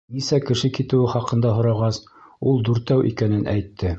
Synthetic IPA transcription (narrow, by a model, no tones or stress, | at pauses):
nisækɘ̆ʃɘkit̪ɘ̆wɘχɑqɤ̆nd̪ɑɦŏɾɑʁɑs | ulˠd̪ʉɾt̪æwʔḭkænɘnʔæ̰jt̪ʰːɘ